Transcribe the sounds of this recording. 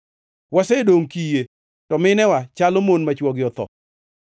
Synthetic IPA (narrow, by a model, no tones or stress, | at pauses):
wasɛdoŋkije | tɔmɪnɛwat͡ʃalomonmat͡ʃwɔɡɪɔt̪ɔ̰